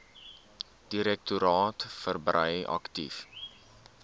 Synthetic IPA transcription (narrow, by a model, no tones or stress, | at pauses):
d̥iɾɛk̚tuɾɑːtfərbrəjɐ̰ktif